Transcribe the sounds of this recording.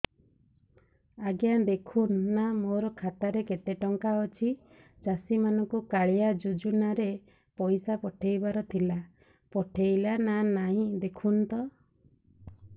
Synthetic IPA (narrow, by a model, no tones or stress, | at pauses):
aɡjad̪ekʰunːamoɾɔkʰat̪aɾekeʈ̪eʈɔŋkaɔt͡ʃʰi | d͡ʒasimanɔŋkukaɭijad͡ʒud͡ʒunaɾe | pɔjsapɔʈʰejbaɾɔt̪ʰila | pɔʈʰejlananaɦĩd̪ekʰunt̪ɔ